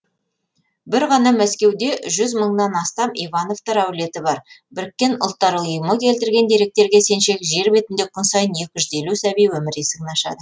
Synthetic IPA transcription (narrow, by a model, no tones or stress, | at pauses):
bɪɾʁɑnɑmæskʲe̞wd̪e̞ʒʏzməɴnɑnɑst̪ɑmivɑno̞vt̪ɑɾæwle̞t̪ɪbɑɾbɪɾkʲːe̞nʊ̰lˠt̪ːɑɾuʊjəməkʲʰe̞lt̪ɪɾɡʲe̞nd̪e̞ɾe̞k̚t̪e̞ɾɡʲe̞se̞nʃe̞kʒe̞ɾbe̞t̪ɪnd̪e̞kʲʰʊnsɑjənje̞kʲɪʒʏze̞lusæbijwɵmɪɾesɪŋnɑʃɑ̰d̪ə